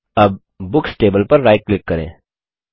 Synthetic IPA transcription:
ɐb̚ː | ʊksʈeːbəlpɐɾːaːjklɪkːɐɾḛ̃ː

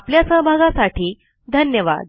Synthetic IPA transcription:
apljasəɦbʱaɡasaʈʰiː | d̪ʱənjəʋa̰d̪̚

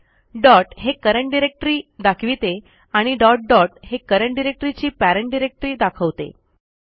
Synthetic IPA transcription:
ɖɔʈɦekəɾəɳʈ̚ɖiɾek̚ʈɾiːd̪akʰʋit̪e | aɽ̃iɖɔʈ̚ɖɔʈɦekəɾəɳʈɖiɾek̚ʈɾit͡ɕiːpæɾəɳʈɖiɾek̚ʈɾiːd̪akʰəʋt̪ḛ

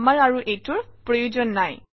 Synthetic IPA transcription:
maɹaɹuʔejtʊɹpɹɔjud͡ʒɔnːaj

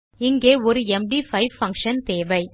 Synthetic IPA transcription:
ɪŋɡeːɔɾɯɛmɖiːfɐɪʋfɐ̃ŋkʂɐnt̪eːʋɐɪ

